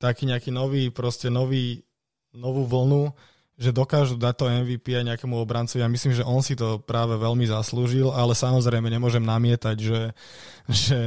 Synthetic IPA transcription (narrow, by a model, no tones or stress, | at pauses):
t̪akiːɲɛakiːnɔʋiːpɾɔscɛnɔʋiː | nɔʋuːʋl̩nu | ʒɛd̪ɔkaːʒud̪ac̚t̪ɔɛnʋiːpiaɲɛakɛːmuɔbɾant͡sɔʋiamisliːmʒɛʔɔnsit̪ɔpɾaːʋɛʋɛlmizasluːʒilalɛsamɔzɾɛjmɛɲɛmʊɔʒɛmnamɪɛt̪aɟʒɛ | ʒ̥ɛ